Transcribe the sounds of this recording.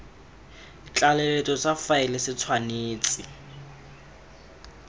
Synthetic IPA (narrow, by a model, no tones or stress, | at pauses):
t͡ɬʼalɛlɛtʼɔsafaɪlɪsɪt͡sʰwaneːt͡sʼɪ